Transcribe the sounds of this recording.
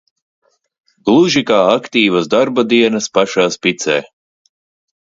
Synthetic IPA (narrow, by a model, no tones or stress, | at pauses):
ɡ̥lˠuʒikaːakt̪iːvasd̪aɾbad̪iɛnɐspaʃaːspit̪sɛ̰ː